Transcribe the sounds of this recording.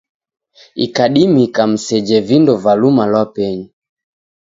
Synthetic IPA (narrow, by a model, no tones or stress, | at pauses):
ḭkaɗimikam̩sɛd͡ʒɛvindɔvalumalwapɛɲi